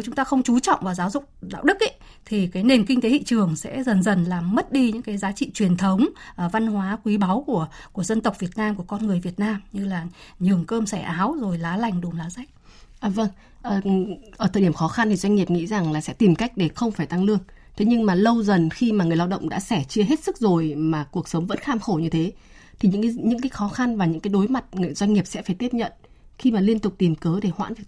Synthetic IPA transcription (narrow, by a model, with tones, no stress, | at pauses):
wt͡ɕʊ˨˦ŋ͡mt̪aː˧xə˧wŋ͡mt͡ɕu˨˦t͡ɕɔ̰˧˨wŋ͡mvaː˨˩zaː˨˦wzʊ̰˧˨k͡p̚ɗa̰ː˧˨wɗɨ˦˥k̚ʔə˦ | t̪ʰi˨˩kaː˨˦jne˨˩mkï˧ŋ̟t̪e˨˦hḭ˧˨t͡ɕɨ˨˩əŋsɛ̰˧˥zə˨˩nzə˨˩nlaː˨˩mmə˦˥t̚ɗi˧ɲɨ̰˧˥ŋkaː˨˦jzaː˨˦t͡ɕḭ˧˨t͡ɕwi˨˩ənt̪ʰə˨˦wŋ͡mva˧nhwaː˨˦kwi˨˦ɓa˨˦wku˧˩əku˧˩əzə˧nt̪ə˨˩k͡p̚vi˨˩ət̚naː˧mku˧˩əkɔ˧nŋɨ˨˩əjvi˨˩ət̚naː˧mɲɨ˧laː˨˩ɲɨ˨˩əŋkəː˧msɛ˧˩ʔaː˨˦wzo˨˩jlaː˨˦la˨˩jŋ̟ɗu˨˩ŋ͡mlaː˨˦za˧˦˥jk̟̚ | ʔəː˨˩və˧ŋ | ʔəː˨˩˨ʔəː˧˩t̪ʰəː˨˩ɗi˧˩ə˨xɔ˨˦xa˧nt̪ʰi˨˩zwa˧ŋ̟ŋi˨˩əp̚ŋḭ˧˥za˨˩ŋlaː˨˩sɛ̰˧˥t̪i˨˩mka˦˥jk̟̚ɗe˧˩xə˧wŋ͡mfaː˧˩jt̪a˧ŋlɨ˧əŋ | t̪ʰe˨˦ɲɨ˧ŋmaː˨˩lə˧wzə˨˩nxi˧ma˨˩ŋɨ˨˩əjlaː˧wɗə̰˧˨wŋ͡mɗa̰ː˧˥sɛ˧˩t͡ɕɨ˧əɦe˦˥t̚sɨ˦˥k̚zo˨˩jmaː˨˩ku˨˩ək̚sə˨˦wŋ͡mvə̰˧˥nxaː˧mxo˧˩ɲɨ˧t̪ʰe˨˦ | t̪ʰi˨˩ɲɨ̰˧˥kaː˨˦ɲɨ̰˧˥ŋk̬aː˨˦jxɔ˨˦xa˧nvaː˨˩ɲɨ̰˧˥ŋkaː˨˦jɗo˨˦jma˨˩t̚ŋɨ˨˩˨jzwa˧ŋ̟ŋi˨˩əp̚sɛ̰˧˥faː˧˩jt̪i˦˥əɲə̰˧˨n | xi˧maː˨˩li˧ənt̪ʊ˨˩k͡p̚t̪i˨˩mkəː˨˦ɗe˧˩hwa̰ː˧˥nvi˨˩ə